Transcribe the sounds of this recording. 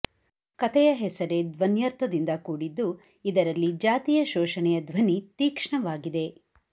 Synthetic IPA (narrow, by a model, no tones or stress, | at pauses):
kɐt̪ɛjɐɦɛsɐɾed̪ʋɐnjɐɾt̪ɐd̪ind̪ɐkuːɽid̪ːu | id̪ɐɾɐlːid͡ʒaːt̪ijɐʃɔːʃɐnɛjɐd̪ʋɐnit̪iːkʂɳɐʋaːɡid̪e̞